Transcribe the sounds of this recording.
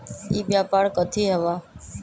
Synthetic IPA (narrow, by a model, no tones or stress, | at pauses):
iːɓjaːpaːɽkət̪ʰiːɦəʋaː